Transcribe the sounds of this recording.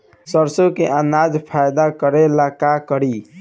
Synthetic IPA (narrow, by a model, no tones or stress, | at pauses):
səɾsokeʔanad͡ʒpʰajd̪akəɾelakakəɾi